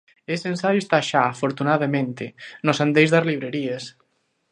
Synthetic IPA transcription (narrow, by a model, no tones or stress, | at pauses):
eseensajʊest̪aʃaːfoɾt̪unaðamẽnt̪enosand̪ejzðaɾliβɾeɾies